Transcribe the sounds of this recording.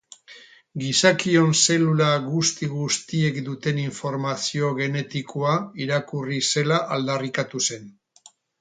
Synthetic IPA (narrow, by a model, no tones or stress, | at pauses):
ɡisakio̞nse̞lulaɣust̪iɣust̪ie̞kd̪ut̪e̞niɱfo̞ɾmasio̞ɣ̞e̞ne̞t̪ikʰoaiɾakurise̞laʔald̪arikat̪use̞n